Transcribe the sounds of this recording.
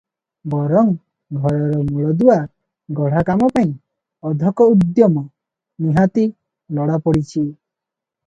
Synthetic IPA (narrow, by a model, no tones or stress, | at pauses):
bɔɾɔŋ | ɡʱɔɾɔɾɔmuɭɔd̪ua | ɡɔɽ̤akamɔpaĩ | ɔd̪ʱɔkɔud̪jɔmɔ | niɦat̪i | lɔɽapɔɽit͡ʃʰi